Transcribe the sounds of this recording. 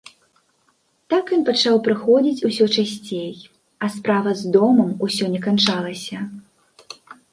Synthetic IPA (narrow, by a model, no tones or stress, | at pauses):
t̪akjɔnpat͡ʂawpɾɨxɔd͡zʲit͡sʲusʲɔt͡ʂasʲt͡sʲej | ɐspɾavɐzd̪ɔmɐmusʲɔnʲɛkant͡ʂalˠɐsʲɐ